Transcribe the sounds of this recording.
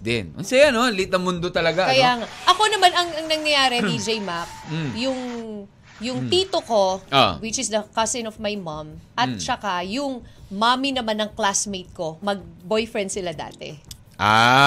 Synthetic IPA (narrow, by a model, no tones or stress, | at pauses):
d̪ɛnʔɐ̰nsɐjanolit̪ɐŋmʊnd̪ot̪ɐlɐɡaʔɐkɐjaːŋaʔɐko̞nɐmanɐŋɐŋnɐŋnɐjaːɾɛd̪id͡ʒejmap̩̚jʊŋ | jʊŋt̪it̪oko̞ʔo̰wɪt͡ʃɪsd̪ɐkɐsɪ̃nɔvmajmɐmʔɐt̪t͡ʃɐkajʊŋmaminɐmanːɐŋklasmejt̪̚ko̞mɐɡ̚bojfɹɛ̃nd̪sɪlad̪a̰ːt̪ɛ̰ | ʔa